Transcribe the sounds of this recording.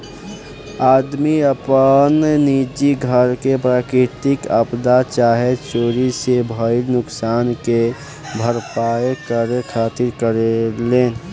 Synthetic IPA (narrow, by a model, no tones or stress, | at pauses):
aːd̪miəpənnid͡ʒiɡʱəɾkepɾaːkɾɪt̪ɪkəpd̪at͡ʃaːɦet͡ʃoːɾisebʱəɪɾnʊksaːnke | bʱəɾpaːekəɾekʰaːt̪iɾkəɾeleːn